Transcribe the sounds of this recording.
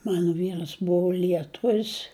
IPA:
ˈmɑːnʊ ˈʋʲiːrɐs ˈbʊʋoː lʲiɛˈtʊʋʲɪs

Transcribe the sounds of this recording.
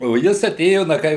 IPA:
oː ˈjɪs ɐˈtʲeːjoː ˈnɐ ˈkɐɪ

